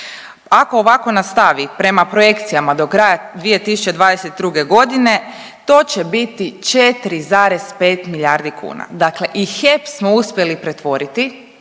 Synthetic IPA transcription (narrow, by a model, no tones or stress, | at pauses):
akoːʋako̞nast̪aʋipɾe̞mapɾoje̞kt̪sijamad̪o̞kɾajad̪ʋije̞t̪isu̥t͡ʃe̞d̪ʋaːd̪eset̪̚d̪ɾuɡe̞ɡo̞d̪ine̞ | t̪o̞ːt͡ɕebit̪it͡ʃet̪ɾizaːɾe̞z̥pe̞ːt̪miʎaɾd̪ikʰṵːna̰d̪akle̞ʔixepsmo̞uspʲje̞lipɾe̞t̪ʋo̞ɾit̪i